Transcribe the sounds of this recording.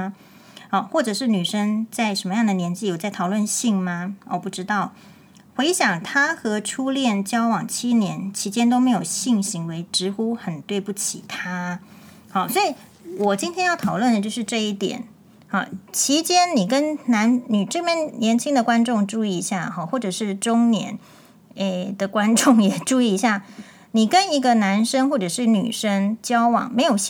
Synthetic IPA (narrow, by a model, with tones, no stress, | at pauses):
ɔ˧˩xwɔ˥˩ʈ͡ʂɤ˨˩ʂɻ̩˥˩ny˨˩ʂə˥ŋt͡sa˥˩ɪʂə˧˥nmə˧jɑ˥˩ŋd̪ə˩njɛ˧˥nt͡ɕi˥˩jo˨˩t͡sa˥˩t̪ʰɑ˨˩ʊlwə˥˧nɕi˥˩ŋmɐ˩ɔ˨˩pu˥˩ʈ͡ʂɻ̩˥t̪ɑ˥˩ʊ | xwe˧˥ɪɕjɑ˨˩ŋt̪ʰa˥xɤ˧˥ʈ͡ʂʰu˥ljɛ˥˩nt͡ɕjɑ˥ʊwɑ˨˩ŋt͡ɕʰi˥njɛ˧˥nt͡ɕʰi˧˥t͡ɕjɛ˥nt̪o˥ʊme˧˥ɪjo˨˩ʊɕi˥˩ŋɕi˧˥ŋwe˧˥ɪʈ͡ʂɻ̩˧˥xu˥xə˨˩nt̪we˥˧ɪpu˥˩t͡ɕʰḭ˨˩t̪ʰa˥ | xɑ˧˩ʊswɔ˧˥i˨˩ | wɔ˨˩t͡ɕi˥nt̪ʰjɛ˥njɑ˥˩ʊt̪ʰɑ˨˩ʊlwə˥˩nd̪ə˩t͡ɕjo˥˧ʂɻ̩˥˧ʈ͡ʂɤ˥˧i˥˩t̪jɛ̰˨˩˦n | xɑ̰˥˩t͡ɕʰi˧˥t͡ɕjɛ˥nni˨˩kə˦˥nna˧˥nni˨˩ʈ͡ʂə˥˧mɛ˥˩nnjɛ˧˥nt͡ɕʰi˥ŋd̪ə˨kwa˥nʈ͡ʂʊ˥˧ŋʈ͡ʂu˥˧i˥˧˥ɕja˥˩xɑ˥˩xwɔ˥˩ʈ͡ʂɤ˨˩ʂɻ̩˥˩ʈ͡ʂʊ˥ŋnjɛ̰˧˥n | ɛ˥˧d̪ə˨kwa˥nʈ͡ʂʊ˥˩ŋjɛ˨˩ʈ͡ʂu˥˧i˥˩i˧˥ɕja˥˩ | ni˨˩kə˦ni˧˥ɡə˧na˧˥nʂə˥ŋxwɔ˥˩ʈ͡ʂɤ˨˩ʂɻ̩˥˩ny̰˨˩ʂə˥ŋt͡ɕjɑ˥ʊwɑ̰˨˩ŋme˧˥ɪjo˨˩ʊ